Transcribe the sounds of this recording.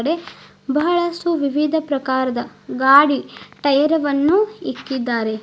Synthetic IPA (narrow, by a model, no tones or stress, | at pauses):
ɽe̞ | bɐɦɐɭɐsʈuʋiʋid̪ʱɐpɾɐkaːɾɐd̪ɐɡaːɽiʈɐjɐɾɐʋɐnːuikːid̪ːaːɾe